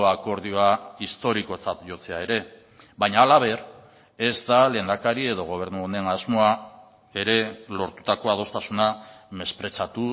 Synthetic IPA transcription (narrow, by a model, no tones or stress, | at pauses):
oako̞ɾð̞io̞aist̪o̞ɾiko̞t͡sat̪ʝo̞t͡se̞ae̞ɾe̞ | baɲaːlaβ̞e̞ɾ | e̞zd̪ale̞ːnd̪akaɾie̞ðo̞ɣ̞o̞β̞e̞ɾnuonenazmo̞a | e̞ɾe̞lo̞ɾt̪u̥t̪ako̞að̞o̞st̪asuname̞spɾe̞t͡sat̪u